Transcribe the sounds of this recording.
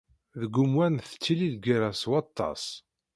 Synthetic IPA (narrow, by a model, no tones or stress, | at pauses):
ðəɡːʊmwænθə̥t͡sːiliðɡəɾæswɑt̪ˤːɑ̰s